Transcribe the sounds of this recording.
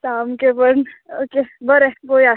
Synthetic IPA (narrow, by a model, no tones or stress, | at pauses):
saːmkebəɾnoːkebɐɾeboja